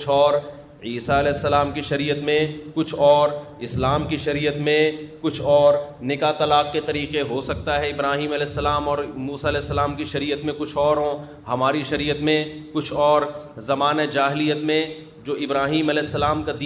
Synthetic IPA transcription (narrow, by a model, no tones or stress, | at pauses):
t͡ʃʰɔːɾ | iːsaɐlɛːsːɐlaːmkiʃɐɾiːət̪mẽkʊt͡ʃʰɔːɾ | ɪslaːmkiʃɐɾiːət̪mẽkʊt͡ʃʰɔːɾnɪkat̪ɐlaːqket̪ɐɾiːqeɦosɐk̚t̪aɦɛɪbɾaːɦiːmɐlɛːsːɐlaːmɔːɾmuːsaɐlɛːsːɐlaːmkiʃɐɾiːət̪mẽkʊt͡ʃʰɔːɾɦõ | hɐmaːɾiʃɐɾiːət̪mẽkʊt͡ʃʰɔːɾzɐmaːned͡ʒaːɦɪlijət̪mẽ | d͡ʒoːʔɪbɾaːɦiːmɐlɛːsːɐlaːmkad̪